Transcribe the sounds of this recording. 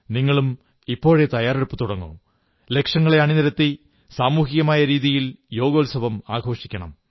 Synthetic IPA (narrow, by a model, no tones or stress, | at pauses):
niŋːɐɭum | ipːo̞ːɻe̞t̪ɐjaːɾeɽupːɨt̪uɽɐŋːṵ | le̞kʂɐŋːɐɭe̞ɐɳinɐɾɐt̪ːi | saːmuːɦijɐmaːjɐɾiːðijiljo̞ːɡoːlsɐʋɐmaːɡʱo̞ːʂikʲːɐɳɐ̰m